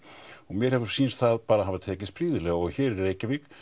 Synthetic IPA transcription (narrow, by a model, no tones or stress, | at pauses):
ɔɣmjɛɾ̥hɛvʏɾ̥siːnst̪θaðpaːɾaɦavat̪ʰɛːcɪsspɾiːðɪlɛɣɔɣçɛːɾɛɾɾeːjcavɪk